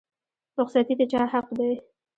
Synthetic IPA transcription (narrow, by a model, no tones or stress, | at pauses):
ɾʊqsat̪id̪et͡ʃɑhaqd̪aj